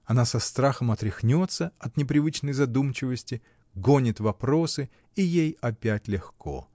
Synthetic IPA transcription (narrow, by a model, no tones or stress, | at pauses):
ɐnasɐst̪ɾaxəmɐt̪ɾʲɪxnʲo̞t̪səɐt̪nʲɪpɾʲɪvɨt͡ɕnəjzɐd̪umt͡ɕɪvəsʲtʲɪ | ɡonʲɪt̪vɐpɾo̞sɨ | ijejɐpʲætʲlʲɪxko̞̰